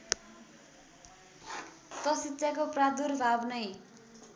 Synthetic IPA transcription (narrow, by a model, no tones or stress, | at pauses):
t̪ʌsit̪ːsjakoprad̪urbʱabnʌj